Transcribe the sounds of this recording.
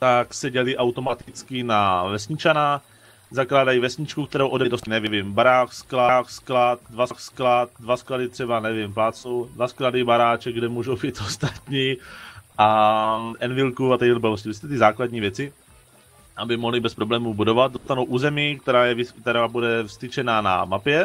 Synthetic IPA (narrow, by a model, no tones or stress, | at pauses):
t̪aksɛɟɛlɪʔawt̪o̞mat̪ɪt͡skɪnavɛsɲɪt͡ʃana | zaklaːdajivɛsɲɪt͡ʃkuk̚t̪ɛɾowʔo̞dɛdost̪ɪnɛvɪvɪmbaɾaːksklaksklat̪̚dvaksklat̪̚dvaskladɪt̪r̝̥ɛbanɛvɪmplaːt͡sowdvaskladɪbaɾaːt͡ʃɛɡdɛmuːʒowbiːt̪ost̪at̪ɲiʔaʔɛnvɪlkuat̪ɛdlbɛlos̬civɪst̪ɛt̪ɪzaːkladɲiːvjɛt͡sɪ | ʔabɪmoɦlɪbɛspɾoblɛːmubudo̞vat̪̚dost̪anowʔuːzɛmiːk̚t̪ɛɾaːjɛvɪt̪ɛɾaːbudɛfst̪ɪt͡ʃɛnaːna̰mapjɛ